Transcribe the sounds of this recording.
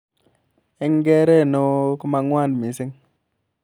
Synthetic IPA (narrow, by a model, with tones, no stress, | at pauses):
ɛ˦ŋɡɛ˦ɾe˦˨no˦ko˦ma˨ŋwa˦ndmi˨˦sɪ˦ŋ